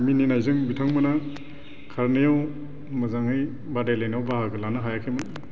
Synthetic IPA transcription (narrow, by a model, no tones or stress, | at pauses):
mininajzɯŋbitʰaŋmɯna | kʰaɾnijaw | mɯzaŋɯj | badajlajnawbaɦaɡɯlanaɦajakʰemɯn